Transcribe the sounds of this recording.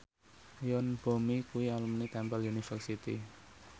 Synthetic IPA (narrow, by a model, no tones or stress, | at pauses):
jɔnb̥o̤mikuwialumnit̪ɛmpəljunifərsit̪ḭ